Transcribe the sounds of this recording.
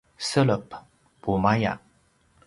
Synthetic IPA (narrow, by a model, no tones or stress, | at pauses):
sələp | pumaja̰